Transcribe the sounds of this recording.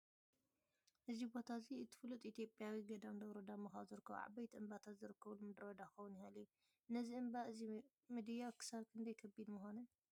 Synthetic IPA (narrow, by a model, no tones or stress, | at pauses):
ʔɨzibo̞t̪ʰaziɨt̪ʰɨ̥flut̪ʼit̪ʰijo̞pʼjawiɡɐd̪amd̪ɐβɾod̪amɐxaβzɨɾɨkːɐβ̰ʕa̰bɐjt̪ʰiʔɨmbat̪ʰazɨɾɨkʰːɐβulmɨd̪ɾɐd̪axɐwunihaliju | ɨnːɐziɨmbaɨzi | mɨd̪ɨjakʰɨ̥saβkʰɨnd̪ɐjkʰɐbid̪mɨxon